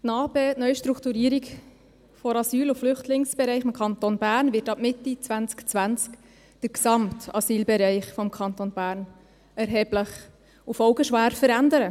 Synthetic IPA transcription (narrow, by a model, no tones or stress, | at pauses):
nɑːbeːtnœʏɥʃtɾukt̪uɾiːɾik | fɔɾɑsyːluflʏχtlɪŋsb̥ɛɾɛɪχɪmkʰɑntonbæːrnvɪtɑp̚mɪtːit͡sʋænt͡skt͡sʋænt͡sk | d̥əɾksɑmtɑ̰siːlbɛɾɛɪχfɔmkʰɑntonbæːɾn | ɛɾɦɛːbləχ | ufɔʊɡəʃʋæːɾfəɾændəɾə